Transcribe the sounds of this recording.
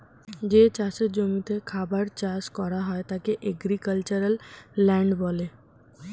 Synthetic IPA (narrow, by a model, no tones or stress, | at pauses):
d͡ʑet͡ɕaseɾd͡ʑomit̪ekʰabaɾt͡ɕaskɔɾaɦɔet̪akeʔeɡɾikəlt͡ɕaɾalːɛɳɖbɔle